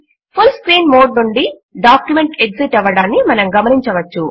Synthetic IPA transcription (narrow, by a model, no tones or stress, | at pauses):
pʰulskɾiːnmoːɖnuɳɖi | ɖaːkjume̞ɳʈe̞ɡsiʈɐʋɐɽaːnːimɐnɐmɡɐmɐniɲt͡ʃɐʋɐt͡ʃːu